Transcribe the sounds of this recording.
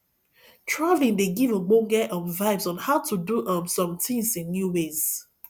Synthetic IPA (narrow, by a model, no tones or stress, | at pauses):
tʰɹaɪvlĩŋndeɡivəɡ͡bõɡɛʔɔ̃nvaɪvsɔ̃nhaʊtʰuduʔʌ̃msɔ̃mtʰĩŋsĩnːjuwez